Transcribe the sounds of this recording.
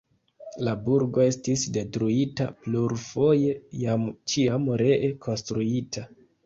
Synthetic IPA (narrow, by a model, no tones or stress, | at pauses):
labuɾɡo̞e̞stisde̞tɾuita̰pluɾfo̞je̞jamt͡ʃiamɾeʔekʰo̞nstɾuitʰa